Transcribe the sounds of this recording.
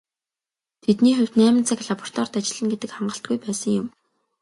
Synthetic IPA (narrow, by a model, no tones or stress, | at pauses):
t̪ʰet̪niːχʊw̥ʲt̪næːmɘ̆nt͡sʰakʲɮapɔr̥t̪ʰɔːrt̪at͡ɕɪ̆ɮə̆nɡet̪ɘ̆kχaɴɢə̆ɬt̪̚ɡujpæːsə̆ŋjʊm